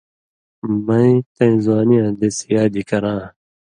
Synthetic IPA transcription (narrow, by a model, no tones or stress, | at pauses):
mɐ̃ĩt̪ɐ̃ĩzwaːnijãːd̪esijaːd̪ikɐɾãː